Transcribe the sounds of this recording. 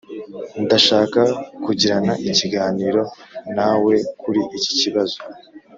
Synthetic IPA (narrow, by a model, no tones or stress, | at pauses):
ndaʃaːkakuɟiɾanaʔiciɡaːniːɾo̞nawe̞kʰuɾiʔici̥ciβazo